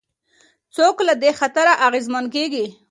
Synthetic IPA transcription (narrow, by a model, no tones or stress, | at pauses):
t͡soklad̪exat̪aɾaʔaɣezmankeɡi